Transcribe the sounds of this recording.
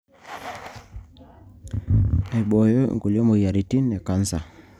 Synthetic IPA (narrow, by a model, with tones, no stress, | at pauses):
e˨ɓɔ˨jɔ̰˦˨ŋ˨ɡu˨lɔ˦mo˨ja˨ɾi˨ti˦nɛ˨ka˨˦n˦sa˨